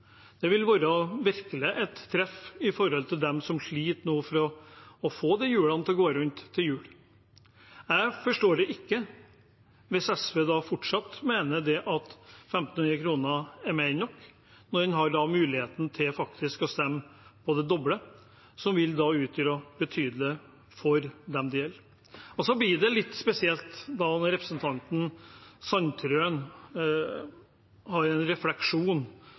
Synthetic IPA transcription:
d̪̥ɛʋɪlʋɑːɾəɔʋɪɾkələʔɛt̪ʰːɾɛfɪfɔɾhɔlt̪ʰɪld̪ɛmsɔmʂɭiːt̪nuːfɔɾɔɔfoːd̪ɛjʉːlɑnət̪ʰɪlɔɡoːəɾʉnt̪ʰːɪljʉːl | jæɪfɔʂʈoːɖɛʔɪkːə | ʋɪsɛsʋeːd̪ɑfʊʈʂɑt̪ːmeːnəd̪ɛʔɑt̪fɛmt̪n̩niːəkʰɾuːnəæɾmæɪnɔkː | nɔɾɛnɦɑɖɑmʉːlɪheːt̪n̩t̪ʰɪlfɑkt̪ɪskɔst̪ɛmːpʰɔd̪ɛd̪ɔblə | sɔmʋɪld̪ɑʉːt̪ʰəlɔbət̪ʰyːd̪lə | fɔɾd̪ɛmd̪ɪjɛl | ɔsɔblɪɖɛlɪt̪ːspɛsɪɛlt̪d̪ɑnɔɾɛpɾəsnt̪ʰɑnt̪n̩sɑnt̪ʰɾøːn | hɑɾɛnɾɛflɛkʂuːn

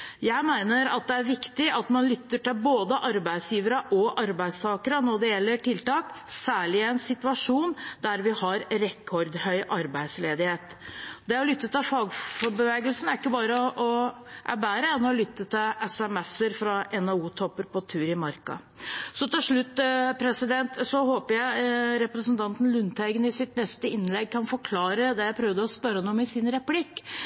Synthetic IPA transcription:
jæɪmæɪnəɾɑt̪̚d̪ɛæɾʋɪkt̪ɪʔɑt̪mɑnlʏt̪ːəʈɪlboːd̪əʔɑɾbæɪd̪sjiːʋəɾəʔɔʔɑɾbæɪst̪ʰɑːkəɾənɔɖɛjɛlːəʈɪlt̪ɑːksæːɭɪɛɪnsɪt̪ʋɑʂuːnd̪æɾʋɪhɑɾɾɛkʰːɔɾd̪hœʏʔɑɾbæɪd̪sleːd̪ɪheːt̪d̪ɛɔɾlʏt̪ːət̪ʰɪlfɑːɡfɔɾbəʋeːɡəlsnæɾɪkːəbɑːɾəʔɔʔæbæːɾəɛnːɔlʏt̪ːət̪ʰɪlʔɛsɛmɛsəɾfɾɑʔɛnɑuːt̪ʰɔpːəɾpʰɔt̪ʰʉːɾɪmɑɾkɑ̰ | sɔt̪ɪlʂɭʉt̪ːpʰɾɛsɪd̪ɛnt̪sɔhoːpəɾjæɪɾɛpɾəsənt̪ʰɑnt̪nlʉnt̪hæɪɡənɪsɪt̪nɛst̪əɪnlɛɡ̚kʰɑnfɔɾkʰlɑːɾəd̪ɛjæɪpʰɾœʋd̪əɔspœɾːənumɪsɪnɾɛplɪkː

